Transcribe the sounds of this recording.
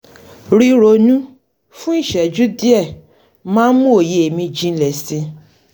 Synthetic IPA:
ɾi˦ɾo˨˧nũ˦ | fũ˦i˦˨ʃɛ˨d͡ʒu˦di˦ɛ˦˨ | mãː˦n˦mũ˦o˨je˧e˨mĩ˧d͡ʒĩ˧˦lɛ˨sĩ˧

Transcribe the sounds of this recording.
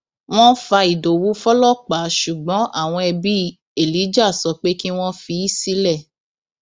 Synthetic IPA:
w̃ɔ̃˦fa˧i˨do˨wu˨˦fɔ˦lɔ˦˨k͡pa˨˦ʃu˨ɡ͡bɔ̃˨˦ʔa̰˦˨w̃ɔ̃˧ɛ˧bi˦ | e˦˨li˨˦d͡ʒa˦˨sɔ˧k͡pe˦ki˦w̃ɔ̃˦fi˧˦i˦si˦lɛ˦˨

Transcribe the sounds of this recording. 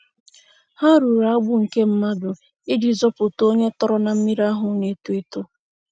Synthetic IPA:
ha˦ɾu˨ɾa˨˦ɡ͡bʊ˦ŋ̩˨ke˦m̩˦ma˦dʊ˨ | ɪ˦d͡ʒi˨zɔ˦pʊ˨to˦ɲe˦tɔ˦ɾɔ˦na˨m̩˦mi˦ɾa˦ɦʊ˨ne˦tu˦e˦tʊ˦

